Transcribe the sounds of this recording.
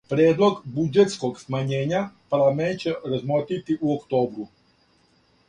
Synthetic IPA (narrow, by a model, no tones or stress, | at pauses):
pɾʲjeːd̪lˠo̞ɡbud͡ʒet̪skoɡsmaɲeːɲapaɾlament̪̚t͡ɕeɾazmot̪it̪iʔuokt̪o̞ːbɾu